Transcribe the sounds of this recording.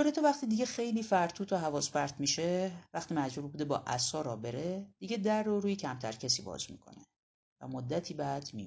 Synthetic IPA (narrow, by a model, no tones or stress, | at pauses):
oɾet̪ʰɒvæχt̪ʰiːd̪iɟe̞xe̞jliːfæɾt̪ʰuːt̪ʰoɦævɒːspæɾt̪miʃevæxt̪ʰiːmæd͡ʒbuɾbud̪ebɒ̰ːʔæ̰sɒːɾɒːbe̞ɾed̪̥iɟe̞d̪ærːoɾuːjecʰæmt̪ʰæɾcʰesḭːbɒ̰ːz̥mḭkʰo̞̰ne | væ̰mod̪ːæt̪ʰiːbæd̪̥mi